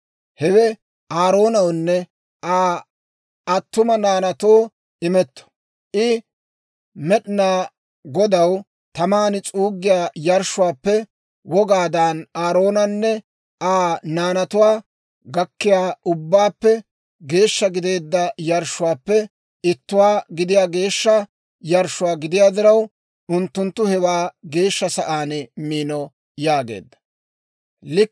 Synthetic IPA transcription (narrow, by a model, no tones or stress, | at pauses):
hɛwɛ | ʔaːɾo̞ːnɐwnːɛ | ʔaː | ɐt̪ːʊmɐnaːnɐt̪oː | ɪmɛt̪ːɔ̥ | ʔɪ | mɛɗɪnaː | ɡɔd̪ɐw | t̪ɐmaːnɪt͡sʼuːɡːɪjaːjɐɾʃʊwaːpːɛ | wɔɡaːd̪aːnaːɾo̞ːnɐnːɛ | aːnaːnɐt̪ʊwaː | ɡɐkːɪjaːʔʊbːaːpːɛ | ɡe̞ːʃːɐɡɪd̪eːd̪ːɐjɐɾʃʊwaːpːɛ | ɪt̪ːʊwaːɡɪd̪ɪjaːɡe̞ːʃːɐ | jɐɾʃʊwaːɡɪd̪ɪjaːd̪ɪɾɐw | ʔʊnt̪ːʊnt̪ːʊhɛwaːɡe̞ːʃːɐsɐʔaːnmiːnɔ | jaːɡḛːd̪ːɐ̥ | lɪ